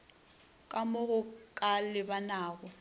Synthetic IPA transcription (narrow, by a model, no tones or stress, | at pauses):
kʼamʊɣʊkʼalɪbanaːɣʊ